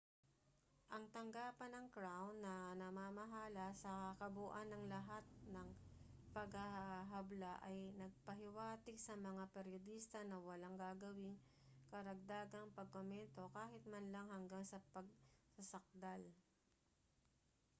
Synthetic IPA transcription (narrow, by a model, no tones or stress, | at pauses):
ʔɐŋt̪ɐŋɡaːpɐnɐŋkɹawnːɐnɐmaːmɐɦaːlɐsɐkɐbʊʔanːɐŋlɐɦat̪̚nɐŋpɐɡhɐhɦɐblaʔɐjnɐɡ̚pɐɦɪwaːt̪ɪɡsɐmɐŋapɛɾjod̪ist̪ɐnɐwɐlaŋɡaːɡɐwɪŋ | kɐɾɐɡ̚d̪aːɡɐŋpɐɡ̚komɛnt̪o̞kaːhɪt̪̚mɐnlɐŋhɐŋɡaŋsɐpɐɡ̚sɐsɐk̚d̪al